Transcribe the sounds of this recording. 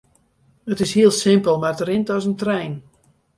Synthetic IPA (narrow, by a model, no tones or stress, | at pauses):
ətɪshiəlˠsɪmpəlˠmartəɾɪntɔsəntrɛjn